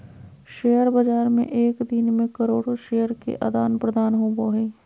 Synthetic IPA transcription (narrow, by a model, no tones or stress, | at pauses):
ʃeːjəɾbɐd͡ʒaːɾmḛ̃ʔeːkd̪ɪnmẽkɐɾoːɽoʃeːjəɾkḛʔɐd̪aːnpɾəd̪aːnɦoːboɦeː